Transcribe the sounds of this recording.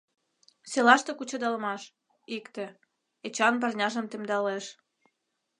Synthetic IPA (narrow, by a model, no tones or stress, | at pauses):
selɑʃt̪ĕkut͡ɕod̪ɑlmɑʃ | ikt̪ĕ | et͡ɕɑnbɑrnʲɑʒə̆mt̪emd̪ɑleʃ